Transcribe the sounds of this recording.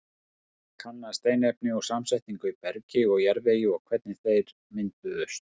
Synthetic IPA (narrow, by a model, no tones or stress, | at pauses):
kʰanːast̪eːjnɛp̚nɪɔɣsamsɛjht̪iŋkʏipɛɾcɪɔɣjɛɾvɛjɪɔɣkʰvɛt̪̚nɪθejɾ | mɪnt̪ʏðʏst̪